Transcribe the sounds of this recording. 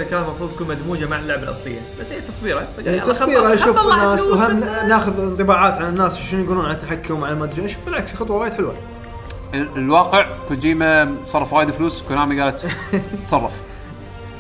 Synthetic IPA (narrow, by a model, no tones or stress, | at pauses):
akaːnlmɑfɾuːt̪ˤjkuːnmad̪muːd͡ʒamaʕɪlːʊʕbalʔɑ̰sˤlɪ̰jːa̰b̥asːhiːt̪ːɑsˤbiːɾa | ɑsˤbiːɾaʃuːfɪnːaːswɦamnaːxʊðnt̪ˤɨbaːʕaːt̪ʕalɪnːaːsʃɪnujɡuːluːnʕalat̪ːaħakːʊmʕalamaːd̪ɾiːnʃuːfbɪlʕaksxɑt̪ˤwɑwaːjɪd̪ħɪlwa | lwɑːqɪʕkuːnd͡ʒiːmasˤɑrˤːɑfwaːjɪd̪fluːskʊnaːmiɡaːlat̪t̪sˤɑrˤːɑf